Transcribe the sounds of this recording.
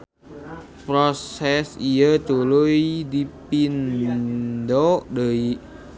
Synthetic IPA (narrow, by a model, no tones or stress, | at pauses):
pɾosɛsijət̪ulujdipin | dodəiʔ